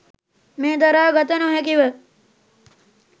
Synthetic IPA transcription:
meːd̪ɐɾaːɡɐt̪ənoɦɛkiʋə

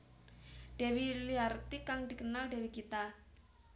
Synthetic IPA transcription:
ɖ̥e̤wiliart̪ikaŋd̪̥i̤kənalɖɛ̤wikit̪a

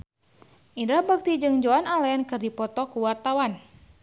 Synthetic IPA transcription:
ʔindahbak̚t̪id͡ʒɨŋd͡ʒoanalaankɨrdipɔt̪ɔkuwart̪awan

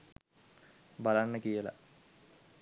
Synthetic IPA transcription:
balanːəkijəla̰

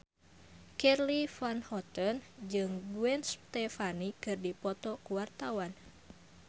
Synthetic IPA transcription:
kɛrlifanhɔt̪ɔnd͡ʒɨŋbuɛnst̪ɛfanikɨrdipɔt̪ɔkuwart̪awan

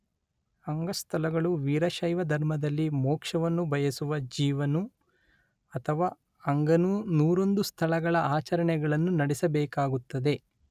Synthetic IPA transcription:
ɐŋɡɐst̪ʰɐlɐɡɐɭuʋiːɾɐʃɐjʋɐd̪ʱɐɾmɐd̪ɐlːimɔːkʂɐʋɐnːubʱɐjɐsuʋɐd͡ʒiːʋɐnu | ɐt̪ʰɐʋaː | ɐŋɡɐnunuːɾo̞nd̪ust̪ʰɐlɐɡɐɭɐaːt͡ʃɐɾɐɳɛɡɐɭɐnːunɐɽɛsɐbɛːkaːɡut̪ːɐd̪e̞

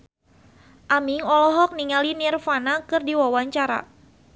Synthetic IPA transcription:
ʔamiŋɔlɔɦɔk̚niŋalinirfanakɨrdiwawaɲt͡ʃaɾa̰

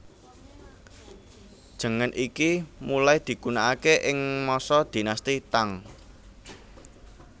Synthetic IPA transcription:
d̥ʒ̥ə̤ŋənʔikimulajd̪̥i̤ɡ̥unaʔakeʔɪŋmɔsɔd̪̥i̤nast̪it̪aŋ

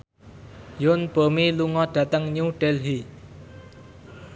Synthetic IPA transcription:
jʊnb̥o̤miluŋɔɖ̥ä̤t̪əŋɲuɖ̥ɛlɦi

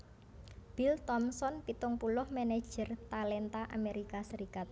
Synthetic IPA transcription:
b̥ilt̪ɔmsɔnpit̪ʊŋpulʊhmene̥d͡ʒ̥ərt̪alɛnt̪aʔa̰meɾikasəɾikat̪̚

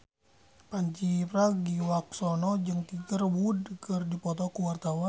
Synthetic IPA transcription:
paɲt͡ʃipɾaɡiwaksɔnɔd͡ʒəŋt̪iɡərwudkərdipɔt̪ɔkuwart̪awan

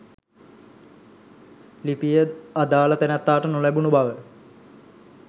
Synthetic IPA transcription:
lipijəad̪aːlət̪ænɛt̪ːaːʈənolæbunubaʋə

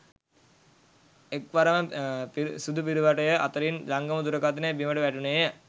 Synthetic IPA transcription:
ekʋaɾəməpisud̪up̬iɾiʋaʈəjəʔat̪əɾinlaŋɡəməd̪uɾəkat̪̬inəbiməʈəʋæʈunejə

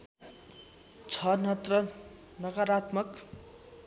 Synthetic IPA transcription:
t͡sʰʌnʌt̪rʌ | nʌkaɾat̪mʌk

